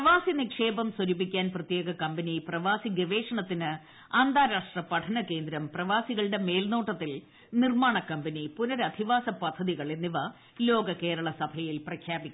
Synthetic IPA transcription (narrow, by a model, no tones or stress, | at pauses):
prɐʋaːsinikʂe̞ːbɐmswɐɾubikʲːaːnprɐt̪jeːɡɐkɐmbɐniprɐʋaːsiɡeʋe̞ːʂɐɳɐt̪ːinɨ | aːnd̪ʱaːɾaːʂʈrɐpɐʈʰɐnɐke̞ːnd̪ɾɐmprɐʋaːsiɣɐɭɨɽe̞me̞ːlno̞ːʈːɐt̪ːil | nirmaːɳɐkːɐmbɐnipunɐɾɐd̪ʱiʋaːsɐpɐd̪ʱːɐðiɣɐɭe̞nːiʋɐ | lo̞ːɡɐke̞ːɾɐɭɐsɐbʱɐjilprɐkʰjaːbikʲːu